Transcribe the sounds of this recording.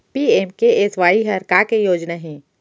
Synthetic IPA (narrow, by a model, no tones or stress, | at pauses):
piːeːmkeʔeːsʋaːiɦɐɾkakejoːd͡ʒnaɦẽː